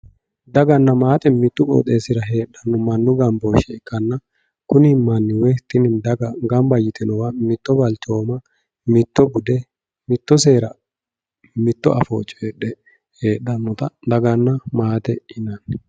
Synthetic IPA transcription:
d̪ɐɡɐnːɐmaːt̪ʼɛmɪt̪ːʊkʼo̰ːt̪ʼe̞ːsɪɾɐɦe̞ːᶑːɐnːɔmɐnːʊɡɐmboːʃɛɪkːɐnːɐ | kʊnɪmɐnːɪwɛt̪ːɪnɪd̪ɐɡɐɡɐmbɐjːɪt̪ʰɛnɔwɐmɪt̪ːɔbɐlt͡ʃo̞ːmɐ | mɪt̪ːɔbʊd̪ɛ | mɪt̪ːɔse̞ːɾɐ | mɪt̪ːɔʔɐ̰foːt͡ʃʼːɔeːɗɛ | heːɗːɐnːɔt̪ɐd̪ɐɡɐnːɐmaːt̪ɛɪnɐn

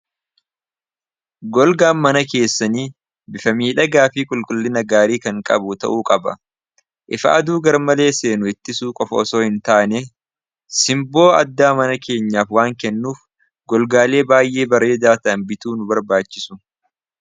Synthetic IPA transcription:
ɡɔlɡaːnmɐnɐke̞ːsːɐniː | bɪfɐmiːᶑɐɡaːfiːkʼʊlkʼʊlːɪnɐɡaːɾiːkɐŋkʼɐ̰bʊt̪ɐ̰ʔuːkʼɐbɐ̰ | ʔɪfɐ̰ʔɐd̪uːɡɐɾmɐle̞ːse̞ːnʊɪt̪ːɪsuːkʼɔfɐɔso̞ːhɪnt̪aːne | sɪmbo̞ːɐ̰d̪ːaːmɐnɐkʰe̞ːɲːaːfwaːŋkɛnːuːf | ɡɔlɡaːle̞ːbaːjʔe̞ːbɐɾe̞ːd̪aːt̪ɐɐnbɪt̪uːnʊbɐɾbaːt͡ʃːɪ̥sʊ̥

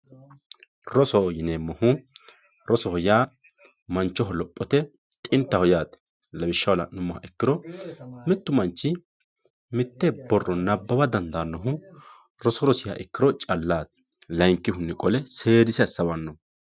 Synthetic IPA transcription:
ɾɔsɔjɪneːmːɔhʊ | ɾɔsɔhɔjaː | mɐnt͡ʃːɔɦɔlɔpʼːɔt̪ɛ | t̪ʼɪnt̪ːɐhɔjaːt̪ɛ̥ | lɐbɪʃːɐwlɐ̰nʊmɔhɐ̰ʔɛkːɪɾɔmɛt̪ːʊmɐnt͡ʃːɪ | mɪt̪ːɛbɔrːɔnɐbːɐbɐd̪ɐnd̪aːnːɔɦʊ | ɾɔsɔɾɔsɪhɐ̰ʔɛkːɪɾɔt͡ʃʼɐlːaːt̪ɛ̥ | lɐjŋkːɪhʊnːɛkʼɔlɛse̞ːɾɪsɐsːɐwɐnːɔ

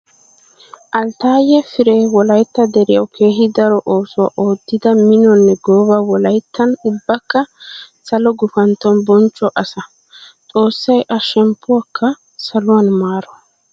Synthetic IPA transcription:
ʔɐlt̪aːjɛfɪɾeːwɔlɐjt̪ːɐd̪ɛɾɪjɐwkʰe̞ːɦɪd̪ɐɾɔʔo̞ːsʊwa̰ʔo̞ːd̪ːɪd̪ɐmɪnɔnːɛɡoːbɐwɔlɐjt̪ːɐnʊbːɐkːɐsɐlɔɡʊfɐnt̪ːɔnbɔnt͡ʃʼːɔʔɐsɐ | t͡sʼo̞ːsːɐjʔɐʃɛmpːʊwakʰːɐ | sɐlʊwanmaːɾɔ

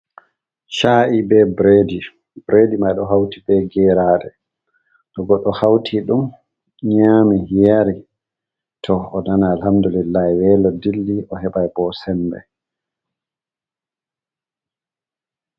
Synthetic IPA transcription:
ʃaːʔibɛbɾedi | bɾedimajɗɔɦawtibɛɡɛɾaɗɛ | ɗɔɡɔɗːɔhawtʰiɗum | ɲaːmijaɾi | tʰɔːnanaːlhamdulilajwɛːlɔdilːiʔɔɦɛɓajbɔsɛmbɛ̰

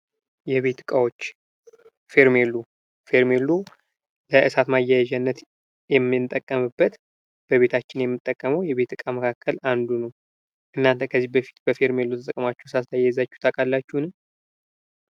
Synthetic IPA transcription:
jɛβe̞t̪ɨkʼawo̞t͡ʃː | fe̞ɾmelu | fe̞ɾmelu | ləʔɨsat̪majːajaʒanːət̪ | jɛmːɨnt̪ʼːəkʼːəmɨbːət̪ | b̥əβe̞t̪ʰat͡ʃːɪnjɛmːɨt̪ʼːəkʼːəməwjɛβe̞t̪ːɨkʼaməkʰakʰːəland̪unəw | ʔɨnːant̪ʰəkʰəzːihbəfi̥t̪bəfe̞ɾme̞lut̪ʰət̪əkʼmat͡ʃːɛwsast̪ʰajɛzat͡ʃːu̥t̪ʰakʼalːat͡ʃːuhnɨm

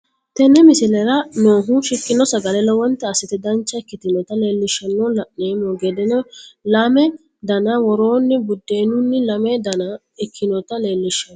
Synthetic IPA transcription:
t̪ɛnːɛmɪsɪlɛɾɐnoːɦʊʃɪkːɪnɔsɐɡɐlɛlɔwɔnt̪ːɛːsɪt̪ɛd̪ɐnt͡ʃːɐɪkːɪt̪ɪnɔt̪ɐle̞ːlːɪʃːɐnːɔlɐʔːeːmɔɡɛd̪ɛnɔlɐmɛ | d̪ɐnɐwɔɾoːnːɪbʊd̪ːe̞ːnʊnːɪlɐmɛd̪ɐnɐ | ɪkʰːɪnɔt̪ɐleːlːɪʃːɔn

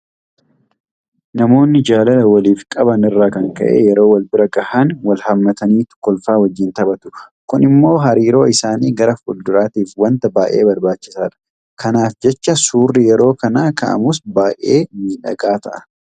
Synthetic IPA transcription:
nɐmo̞ːnːɪd͡ʒaːlɐlɐwɐliːfkʼɐbɐnɪrːaːkɐŋkɐ̰ʔḛːjɛɾo̞ːwɐlbɪɾɐɡɐhanwɐlhɐmːɐt̪ɐniːt̪ʊ̥kːɔlfaːwɐd͡ʒːɪnt̪ɐbɐt̪ʊ̥kʊnɪmːo̞ːɦɐɾiːɾo̞ːɪsaːniːɡɐɾɐfʊld̪ʊɾaːt̪iːfwɐnt̪ɐbaːʔe̞̰ːbɐɾbaːt͡ʃːɪ̥saːᶑɐ̥ | kɐnaːfd͡ʒɛt͡ʃːɐsuːrːɪjɛɾo̞ːkɐnaːkɐ̰ʔɐ̰mʊs̬baːʔeːmiːᶑɐ̰ɡaːt̪ɐʔɐ̥

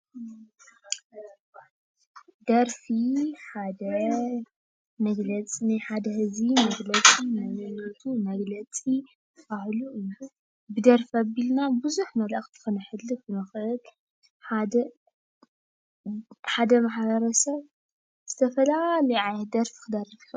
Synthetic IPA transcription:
d̪ɐɾfiħad̪ɐ | mɐɡlɐt͡sʼinajħad̪ɐhɨzimɐɡlɐt͡sʼinamɨnɐt̪ʰumɐɡlɐt͡sʼi | ahluʔɨju | bɨd̪ɐɾfabilnabɨzuħmɐlʔɐxt̪ʰɨ̥xɨnɐħɨlːɨbɨnɨxʔɨl | ħad̪ɐ | ħad̪ɐmaħbɐɾɐsɐβ | z̥ɨt̪ʰɐfɐlalɐjʕajɛt̪̚d̪ɐɾfi̥kʰɨd̪ɐrifu

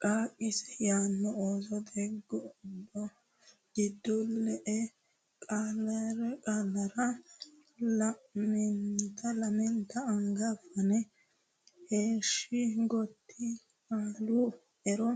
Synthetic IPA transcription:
kʼaːkʼːɪsɛ̥jaːnːɔoːzɔd̪ɛɡːɔʊbːɔ | ɡɪd̪ːɔlːɛʔɛ | kʼalɐɾɛkʼalːɐɾɐ | lɐmɛnt̪ɐlɐmɛnt̪ɐːŋɡɐfɐnɛ | heːʃɪɡɔt̪ːɪ | kaːlu | ɛɾɔ

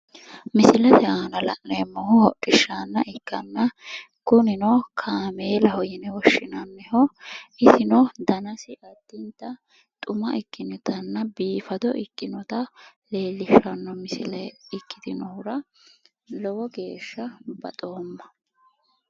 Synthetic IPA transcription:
mɪsɪlɐt̪ɛaːnɐlɐ̰ʔneːmːɔhʊhɔʔʼɪʃːanːɐʔɪkːɐnːɐ | kʊnɪnɔkʰaːmeːlɐhɔjɛnɛwɔʃːɪnɐnːɛhɔɪsɪnɔd̪ɐnɐsɪʔɐd̪ːɪnt̪ːɐ | t̪ʼʊmɐʔɪkːɪnɔt̪ɐnːɐbiːfɐd̪ɔʔɪkʼːɪnɔt̪ɐle̞ːlːɪʃɐnːɔmɪsɪlɛɪkːɪd̪ɪnɔhʊɾɐ | lɔwɔɡe̞ːʃːɐbɐ̰t̪ʼo̞ːmːɐ

